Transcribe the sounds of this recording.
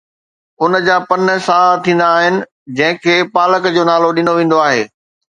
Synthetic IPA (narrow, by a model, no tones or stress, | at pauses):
ʊnd͡ʑaːpɐnsat̪ʰĩːnd̪aːɦɪnɪ̆ | d͡ʑɐ̃ɦɪ̃kʰeːpaːləkd͡ʑoːnaːloɗɪnoʋẽːn̆d̪oaːɦḛː